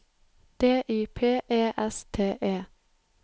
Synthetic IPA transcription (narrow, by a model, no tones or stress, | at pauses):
d̪̥eːʔiːpʰeːʔeːʔɛst̪ʰeːʔeː